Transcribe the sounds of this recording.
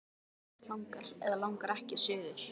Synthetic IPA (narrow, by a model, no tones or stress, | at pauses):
lawŋkaɾ̥ɛðalawŋkaɾɛhcɪ̥sʏːðʏɾ̥